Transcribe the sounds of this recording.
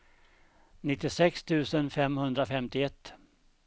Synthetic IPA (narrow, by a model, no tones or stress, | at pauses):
nɪt̪ːɪsɛkst̪ʰʉ̟ːsənfɛmhɵnd̪ɾafɛmt̪ɪɛt̪ː